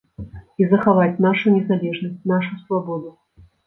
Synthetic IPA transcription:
izɐxavat͡sʲnaʂunʲɛzalʲɛʐnɐsʲtʲnaʂusvabɔd̪u

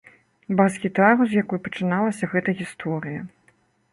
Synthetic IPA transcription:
baskʲit̪aɾuzjakɔjpɐt͡ʂɨnalˠɐsʲɐɣɛt̪ɐɣʲist̪ʰɔɾɨjɐ

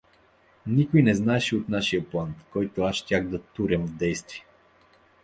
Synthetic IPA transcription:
nikojnɛznaɛʃiot̪naʃijəplˠankɔjt̪oaʃtʲaxd̪ɐt̪uɾɛmvd̪ɛjst̪viɛ

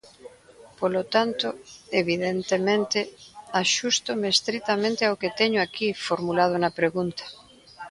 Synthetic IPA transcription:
polot̪ant̪ʊeβiðent̪emẽnt̪ɪaʃust̪ʊmeːst̪ɾit̪amẽnt̪ɪaoket̪ɛɲʊakifoɾmulað̞ʊnɐpɾeɣunt̪ɐ̥

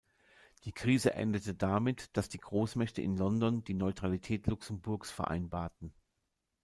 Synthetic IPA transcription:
d̥iːkʁ̥iːzəʔɛ̰ndətədamɪtd̥asd̥iːɡʁoːsmɛçtəʔɪ̰nlɔndɔndiːnɔʏtʁ̥alitʰɛːtlʊksənbʊɐksfɛɐʔa̰ɪnbaːɐtn̩

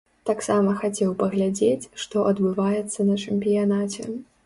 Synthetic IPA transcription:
t̪aksamɐxat͡sʲɛwpɐɣlʲad͡zʲet͡sʲʂt̪ɔʔɐd̪bɨvajɛt̪sːɐnɐt͡ʂɛmʲpʲijanat͡sʲɛ̰

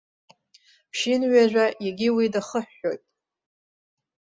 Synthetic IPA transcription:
pʰʃɪnɥaʒʷᶣajaɡʲiwidaχəħːo̞jtʼ

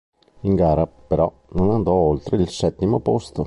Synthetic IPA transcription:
iŋɡaːɾapeɾɔ̰ | nonand̪ɔolt̪ɾeilsɛt̪ːimopost̪o

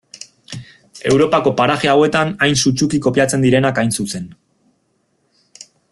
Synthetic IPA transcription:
e̞wɾo̞pako̞paɾaxeawe̞t̪anajnsut͡ʃukiko̞piat͡se̞nd̪iɾe̞nakajnsuse̞n

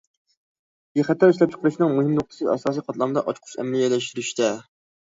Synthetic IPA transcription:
jeχæt̪ːɛɾiʃʲlɛp̚t͡ʃʰə̥qʰəɾɨʃnɨŋmuɦɪmnʊqt̪ʰɨ̥sɨɑ̰sɑːsijqʰɑt̪lˠɑmɨd̪ɑʔɑt͡ʃqʰʊ̥ʃɛ̰mlijɛlːɛʃt̪yɾyʃt̪ɛ

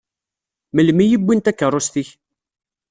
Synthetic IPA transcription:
məlmijibʷːint̪ækːərˤʊst̪iç

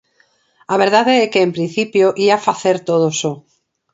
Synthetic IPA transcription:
aβ̞eɾð̞aðeekeːmpɾĩn̟θipjoʔiafaθeɾt̪oð̞oso

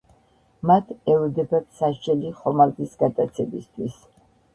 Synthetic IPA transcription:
mat̪ʰɛlɔd̪ɛbat̪saʃd͡ʒɛliχɔmald̪isɡat̪ʼat̪sʰɛbist̪ʰwis

